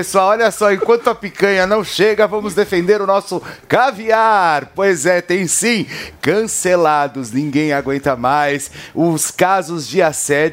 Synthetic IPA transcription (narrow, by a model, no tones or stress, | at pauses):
pesoawɔʎɐsɔẽkwɐ̃nt̪ʊapikɐ̃ɲɐnɐ̃w̃ʃeɡɐvɐ̃mʊzd̪efẽnd̪eɾʊnɔsʊkaviaɾpojzɛt̪ẽj̃sĩkɐ̃selad̪ʊznĩɡẽj̃aɡwẽnt̪ɐmajsʊskazʊzd͡ʒɪasɛd͡ʒ